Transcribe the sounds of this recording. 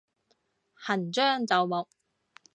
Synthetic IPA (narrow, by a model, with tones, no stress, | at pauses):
hɐ˨˩nt͡ʃœː˥ŋt͡sɐ˨wmo˨˩k̚